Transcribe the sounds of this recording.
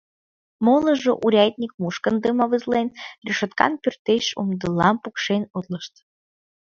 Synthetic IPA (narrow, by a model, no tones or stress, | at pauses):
molˠɤ̆ʒoʔuɾʲɑjt̪ʲnʲik̚muʃkənd̪ɨmɑβɨzlˠenrʲiʃot̪kɑ̰npʲyrt̪eʃṵmd̪ɨlˠːɑmpukʃenʲud̪lˠɤ̆ʃt̪